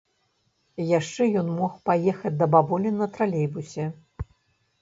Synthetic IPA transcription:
jaʂt͡ʂɛjɔnmɔxpajɛxɐt͡sʲd̪ɐbabɔlʲinɐt̪ɾalʲejbusʲɛ

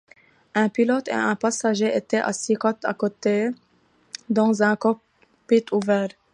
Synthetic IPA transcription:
ɛ̃pilɔt̪ḛɛ̃pasaʒeʔet̪ɛʔa̰sikɔt̪a̰kot̪e | d̪ɑ̃zɛ̃kɔ | pit̪ʰuvɛːʁ

